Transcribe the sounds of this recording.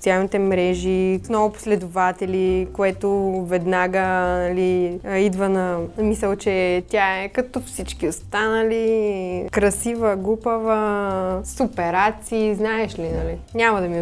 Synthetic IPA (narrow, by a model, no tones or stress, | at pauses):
sialˠnit̪ɛmɾɛʒisnɔvʊpʊ̥slɛd̪ʊvat̪ɛlikoɛt̪ʊvɛd̪naɡənɐliid̪vənɐmisəlˠt͡ʃɛt̪ʲjaɛkɐt̪ɔfsit͡ʃkiost̪anəlikɾɐsivəɡupəvəsʊpɛɾat̪siːznaɛʃlinɐlinʲamɐd̪ɐmi